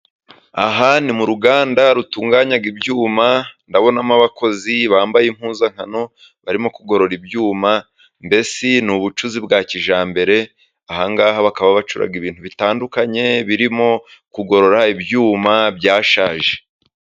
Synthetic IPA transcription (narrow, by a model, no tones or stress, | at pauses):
aɦanimuɾuɡaːndaɾutuːŋɡaɲaɡibjuːmandaβo̞namaβako̞ziβaːmbajim̥huːzaŋ̥hano̞ | βaɾimo̞kuɡo̞ɾo̞ɾibjuːma | mbe̞sinuβut͡ʃuzibɡaːciʒaːmbe̞ɾe̞ | aɦaŋɡaːhaβakaβaβat͡ʃuɾa̰ɡiβiːn̥huβitaːndukaɲe̞βiɾimo̞kuɡo̞ɾo̞ɾaibjuːmabɟaːʃaːʒe